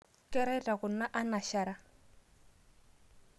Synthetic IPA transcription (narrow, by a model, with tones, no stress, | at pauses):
kʼɛ˦ɾɛ˦tʼa˨ɣʊ˨na˦ʔa˦na˨ʃa˨ɾa˦˨